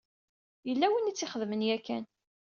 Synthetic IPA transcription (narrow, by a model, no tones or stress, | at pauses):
jəlːæwinit͡sːɪχəðmənjækːæn